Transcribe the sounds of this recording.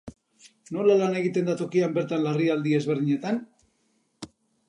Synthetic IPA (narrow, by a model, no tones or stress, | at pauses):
no̞lalane̞ɣit̪e̞nd̪at̪o̞kiambe̞ɾt̪anlariald̪ie̞zβe̞ɾðiɲe̞t̪an